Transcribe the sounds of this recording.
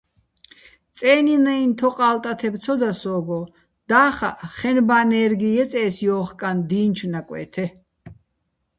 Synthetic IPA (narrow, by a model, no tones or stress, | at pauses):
t͡sʼɛːninɛint̪ʰɔqʼaːlt̪ʼat̪ʰɛbt͡sʰɔd̪asɔːɡɔ | d̪̥aːχa̰ʔχɛnbaːnɛːɾɡijɛt͡sʼɛːsjɔːχkʼand̪iːnt͡ʃʰwnakʼwɛ̰ːt̪ʰɛ